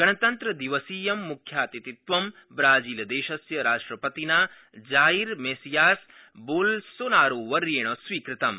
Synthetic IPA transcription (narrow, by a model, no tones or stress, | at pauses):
ɡɐɳɐt̪ɐnt̪ɾɐd̪iʋɐsiːjɐmːukʰjaːt̪it̪it̪ʋɐm | bɾaːd͡ʒiːlɐd̪eːʃɐsjɐɾaːʂʈɾɐpɐt̪inaː | d͡ʒaːiɾmesijaːs | boːlsoːnaːɾoːʋɐɾjeːɳ̃ɐsʋiːkɾɪt̪ɐm